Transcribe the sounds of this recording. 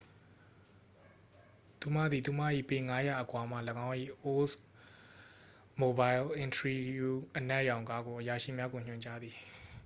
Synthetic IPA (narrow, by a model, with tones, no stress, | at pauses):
t̪u˨m̥ä̰˦˨d̪i˨t̪u˨m̥a̰˦˨ʔḭ˦˨pẽ˨ŋa˦ja̰˦˨ʔəkwa˨m̥a̰˦˨ləɡã˦ʊ̃ʔḭ˦˨ʔo˦s | mo˨ba˨ɪlʔɪ̃˨ntəɹi˦ju˦ʔənɛ˦ʔjã˨ʊ̃ŋka˦ɡo˨ʔəja˨ʃḭ˦˨mja˦ɡo˨ɲ̥ɲʊ̃˨ɲt͡ɕa˦d̪ði˨